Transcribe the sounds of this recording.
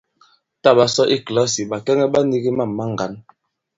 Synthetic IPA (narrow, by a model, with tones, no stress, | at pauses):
ta˦˨ba˨sɔ˦ʔi˦kla˦si˨ba˨kɛ˦ŋɛ˦ɓa˦ni˦ɡi˦ma˦˨mːa˦ŋ˨ɡa˨˦n